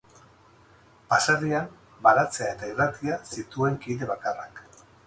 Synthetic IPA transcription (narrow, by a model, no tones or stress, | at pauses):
pasariam | baɾat͡se̞ae̞t̪airat̪iasit̪ue̞ŋkiðe̞βakarak